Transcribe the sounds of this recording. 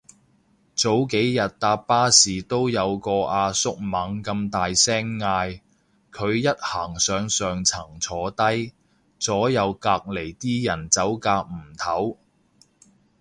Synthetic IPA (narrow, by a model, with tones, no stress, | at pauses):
t͡so˨˥wke˨˥jjɐ˨t̚t̪aː˧ppaː˥siː˨˩t̪o˥wjɐ˨˧wkɔː˧ʔaː˧sʊ˥k̚mɐ˨˥ŋkɐ˧mt̪aː˨jsɛː˥ŋːaː˧j | kʰɵ˨˧ɥjɐ˥t̚haː˨˩ŋsœː˨˧ŋsœː˨ŋt͡sʰɐ˨˩ŋt͡sʰɔː˨˧t̪ɐ˥j | t͡sɔː˨˥jɐ˨˧wkaː˧k̚le˨˩jt̪iː˥jɐ˨˩nt͡sɐ˨˥wkaː˧k̚m̩˨˩t̪ʰɐ˨˥w